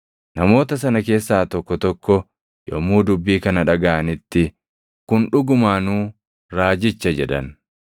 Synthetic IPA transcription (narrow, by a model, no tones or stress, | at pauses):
nɐmo̞ːt̪ɐsɐnɐke̞ːsːaːt̪ɔkːɔt̪ɔkːɔ | jɔ̰mːuːd̪ʊbːiːkɐnɐᶑɐɡɐʔɐnɪt̪ːɪ | kʊnᶑʊɡʊmaːnuː | ɾaːd͡ʒɪt͡ʃːɐd͡ʒɛᶑɐ̰n